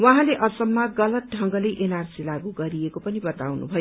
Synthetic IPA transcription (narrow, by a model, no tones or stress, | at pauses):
waɦãleʔʌsʌmːaɡʌlʌt̪̚ɖʱʌŋɡʌlejʔenarsilaɡuɡʌɾiekopʌnibʌt̪awnṵbʱʌjo